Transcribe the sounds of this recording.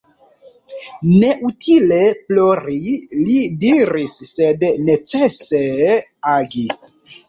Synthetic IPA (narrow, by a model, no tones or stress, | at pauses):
ne̞ʔutʰile̞ploɾilidiɾisːedne̞t͡se̞seaɡi